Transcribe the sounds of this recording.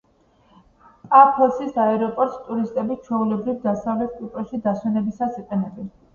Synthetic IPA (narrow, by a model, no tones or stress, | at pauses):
apʰɔsisaɛɾɔpʼɔɾt̪ʼst̪ʼuɾist̪ʼɛbit͡ʃʰɛulɛbɾivd̪asavlɛt̪̚ʰkʼupʼɾɔʃid̪aswɛnɛbisasiqʼɛnɛbɛn